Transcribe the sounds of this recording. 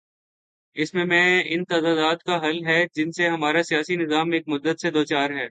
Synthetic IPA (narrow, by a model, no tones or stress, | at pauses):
ɪsmẽmɛ̃ɪnt̪aːd̪aːd̪aːd̪kaɦɐlɦɛd͡ʒɪnseɦɐmaːɾasijaːsinɪzaːmeːk̚mʊd̪ːət̪sed̪oːt͡ʃaːɾɦɛː